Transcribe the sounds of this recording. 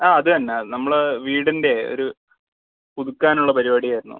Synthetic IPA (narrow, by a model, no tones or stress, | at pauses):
aːɐðɨɐnːeɐðɨnɐmːɐɭʋiːɽinde̞o̰ɾu | puðukːaːnuɭːɐpɐɾibaːɽijaːjiɾunːṵ